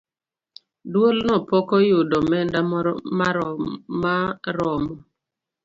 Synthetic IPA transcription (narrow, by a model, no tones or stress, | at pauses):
dwolnɔpɔkɔjʊdɔmɛndamamaɾɔmɔ